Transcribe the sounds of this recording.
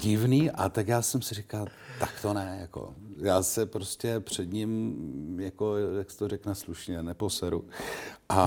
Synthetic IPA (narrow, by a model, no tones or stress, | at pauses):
ɟɪvniːʔa̰t̪akjaːsɛmsɪrɪkalt̪akt̪onɛjako̰jaːsɛpɾoscɛpr̝̥ɛd̪ɲɪmjako̞jjaksɛ̥t̪orɛknɛsluʃɲɛnɛpo̞sɛɾuʔa